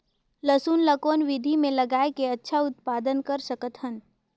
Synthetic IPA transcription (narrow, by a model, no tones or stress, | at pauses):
ləsuːnləkoːnʋɪd̪ʱimẽlɐɡaːekeɐtːʃʰaʊt̪̚paːd̪ənkɐɾsɐkət̪ʰən